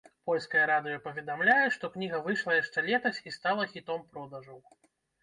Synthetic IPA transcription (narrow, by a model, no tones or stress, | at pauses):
pɔlʲskɐjɐɾad̪ɨjɐpɐvʲɛd̪amlʲajɛʂt̪ɔknʲiɣɐvɨʂlˠɐjaʂt͡ʂɛlʲɛt̪ɐsʲist̪alˠɐxʲit̪ɔmpɾɔd̪ɐʐɐw